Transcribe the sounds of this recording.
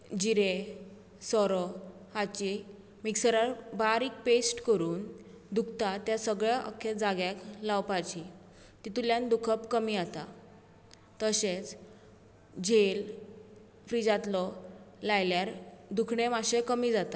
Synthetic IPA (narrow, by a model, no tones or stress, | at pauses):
d͡ʑiɾe | sɔɾɔ | hat͡ɕi | miksəɾaɾbaɾiːk̚pesʈkəɾuːn | d̪ukʰt̪at̪jasəɡɭaʔə̰kʰːed͡zaɡjaklawpat͡ɕi | t̪it̪uljãnd̪ukʰəpkəmiːat̪a | t̪əɕet͡s | d͡ʑel | fɾid͡zat̪lɔlajljaɾd̪ukʰɳẽmaɕekəmiːd͡zat̪a